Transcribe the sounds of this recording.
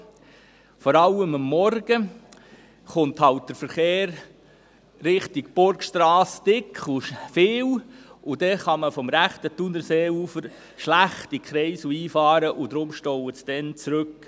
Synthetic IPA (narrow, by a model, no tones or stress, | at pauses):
fɔɾɑləməmːɔɾɡ̥ə | χʊnt̪hɑwt̚d̥əɾfəɾχeːɾ | ɾɪχtɪɡb̥ʊɾkʃtɾɑːstɪkχʊfeːwʊdɛχɑməfɔmɾæχt̪ətunəɾseːuːfəɾ | ʃlæχtikχɾɛɪsuiːfɑːɾəʔʊd̥̪ɾʊmʃtɔwəsd̥ɛnt͡sɾʉk